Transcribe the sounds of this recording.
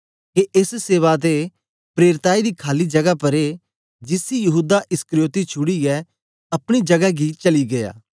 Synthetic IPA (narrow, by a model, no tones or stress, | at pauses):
keʔesseːʋat̪e | pɾeːɾt̪aːid̪iːkʰaːlid͡ʒɐɡapɐɾe | d͡ʒɪsijɐɦuːd̪aʔɪskəɾjoːt̪it͡ʃʰʊɽiɛ | ɐpɽ̃id͡ʒɐɡaɡit͡ʃɐliɡɐja̰ː